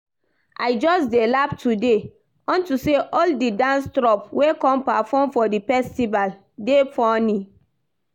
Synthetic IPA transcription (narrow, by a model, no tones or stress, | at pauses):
a̰ɪd͡ʒɔsdelaptude | ɔ̃ntuseʔɔldidãnstɾɔpwekɔ̃mpafɔmfɔdifɛstival | defɔnĩ